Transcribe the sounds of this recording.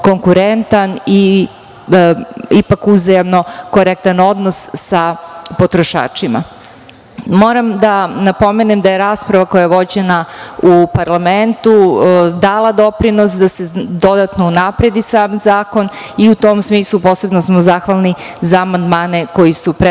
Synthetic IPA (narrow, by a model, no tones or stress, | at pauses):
ko̞ŋkuɾent̪ani | ipakuzajamno̞ko̞ɾek̚t̪ano̞d̪no̞ssapo̞t̪ɾoʃa̰ːt͡ʃima̰ | mo̞ɾamd̪anapo̞menemd̪ajeɾaːspɾaʋako̞jajeʋo̞d͡ʑenaupaɾlˠament̪ud̪aːlˠad̪o̞pɾino̞sd̪ase̞d̪o̞d̪at̪nounapɾed̪isaːmzaːko̞n | iut̪o̞ːmsmiːslˠupo̞ːse̞bnosmozaxʋalˠni | zaːmand̪maːne̞ko̞jisupɾe